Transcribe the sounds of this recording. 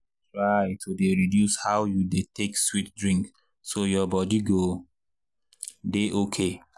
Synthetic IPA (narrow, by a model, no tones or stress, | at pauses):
tɹajtʰodeɹidjushawjudetekswit̚dɹĩŋk | sojɔbɔdiɡo | deʔokʰe